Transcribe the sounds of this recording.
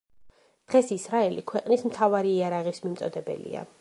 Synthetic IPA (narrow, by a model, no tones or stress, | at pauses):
d̪̥ʁɛsisɾaɛlikʰwɛqʼnismt̪ʰavaɾiːaɾaʁismimt̪sʼɔd̪ɛbɛ̰lḭa̰